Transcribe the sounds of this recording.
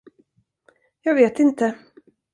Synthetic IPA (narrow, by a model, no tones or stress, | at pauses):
jɑːɡveːt̪ɪnt̪ə